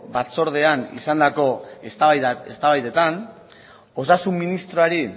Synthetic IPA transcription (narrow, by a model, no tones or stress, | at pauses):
bat͡so̞ɾð̞e̞anḭsand̪ako̞ | est̪aβajðe̞t̪an | o̞sasumːinist̪ɾoaɾi